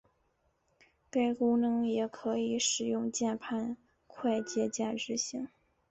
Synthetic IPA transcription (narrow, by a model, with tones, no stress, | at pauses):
t̪e˥˩ɪkʊ˥ŋnɤ˧˥ŋjɛ˨˩kʰɤ˧˥i˧˥ʂɻ̩˨˩jʊ˥˧ŋt͡ɕjɛ˥˧npʰa˥˧n | kʰwa˥˧ɪt͡ɕjɛ˥˧t͡ɕja˥˧ʈ͡ʂɻ̩˥˩ɕi˧˥˦ŋ